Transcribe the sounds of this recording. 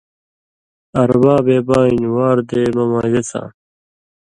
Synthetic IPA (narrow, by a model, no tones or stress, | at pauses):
ɐɾbaːbeːbaːinwaːɾd̪eːmɐmaːɡesã̰ː